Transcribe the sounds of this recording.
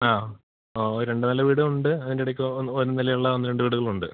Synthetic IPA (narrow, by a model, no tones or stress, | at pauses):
aː | ooɾɾe̞ɳɖɨnɐlːɐʋiːɽɐuɳɖɨɐðiniɽɐkʲːuoɾunilɐjuɭːɐonːɾe̞ɳɖɨʋiːɽuɣɐɭuɳɖɨ̰